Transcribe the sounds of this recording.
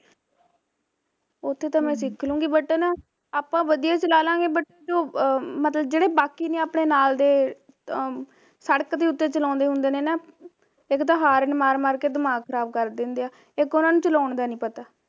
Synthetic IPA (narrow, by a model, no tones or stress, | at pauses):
ʊt̪ʰːeːt̪ãːmɛ̃ːsɪkʰlũːɡiːbəʈːeːnãː | aːpãːʋəd̪ijaːt͡ʃəlaːlãːɡeːbəʈːeːd͡ʒoːmət̪ləbd͡ʒeːɽeːbaːkiːnẽːaːpɳeːnaːld̪eː | səɽəkt̪eːʊt̪ːeːt͡ʃəlɔ̃ːnd̪eːɦʊ̃nd̪eːnẽːnaː | ɪkt̪əɦaːɾənmaːɾmaːɾkeːd̪əmãːkʰəɾaːb̚kəɾd̪ɪ̃nd̪eaː | ɪkʊnãːnũːt͡ʃəlaːɳd̪aːnĩːpət̪aː